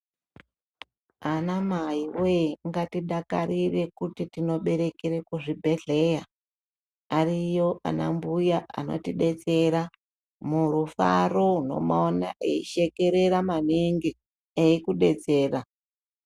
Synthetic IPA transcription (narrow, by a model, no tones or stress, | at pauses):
anamaiweŋɡatiɗaka̰ɾire̞kutitino̞ɓe̞ɾe̞keɾekuʐibʱe̞ɮe̞ja | arijo̞ʔa̰na̰mbujaʔa̰no̞̰tiɗe̞d͡ze̞ɾa | muɾufa̰ro̞uno̞̰maona̰ʔeiʃe̞ke̞ɾe̞ɾamaniŋɡi | eikuɗe̞d͡ze̞ːra